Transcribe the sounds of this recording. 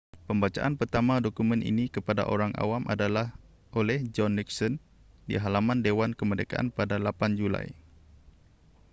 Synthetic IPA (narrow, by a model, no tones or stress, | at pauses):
pəmbat͡ʃa̰ʔanpərt̪amadokumɛ̃nʔḭnikəpada̰ʔo̰ɾaŋa̰wamʔa̰dalah | ʔolɛhd͡ʒɔnːiksɔn | dḭɦalamãndewankəməndeka̰ʔa̰npadalapand͡ʒula̰j